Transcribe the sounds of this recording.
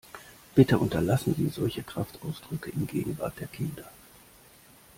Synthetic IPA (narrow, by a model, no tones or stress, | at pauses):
b̥ɪtəʔʊntɐlasn̩zḭːzɔlçəkʁ̥aftʔaʊsd̥ʁʏkəʔɪnɡḛːɡŋ̩va̰ɐt̚d̥eːɐkʰɪndɐ